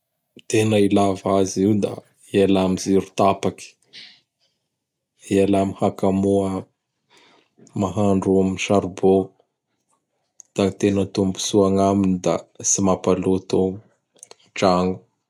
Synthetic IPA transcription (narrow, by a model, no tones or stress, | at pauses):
t̪enəilavaziwd̪a̰ | ealamiziɾu̥t̪apaki̥ | ealamihakamuə | maɦaɳɖ͡ʐuamʃaɾubo | d̪̥at̪enət̪umbu̥suaŋaminid̪a̰simapalut̪u | d͡ʒaŋu̥